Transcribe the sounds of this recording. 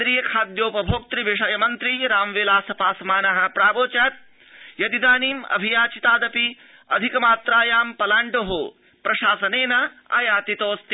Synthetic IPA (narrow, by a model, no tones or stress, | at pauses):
ɾiːjɐkʰaːd̪joːpɐbʱoːk̚t̪ɾiʋiʂɐjɐmɐnt̪ɾiɾaːmʋeːlaːsɐpaːsmaːnɐɦɐ̆pɾaːboːt͡ʃaːt̪̚ | jɐd̪id̪aːniːmɐ̰bʱijaːt͡ʃit̪aːd̪ɐpi | ɐ̰d̪ʱikɐmaːt̪ɾaːjaːmpɐlaːɳɖoɦoː | pɾɐʃaːsɐneːnɐ | a̰jaːt̪it̪oːst̪i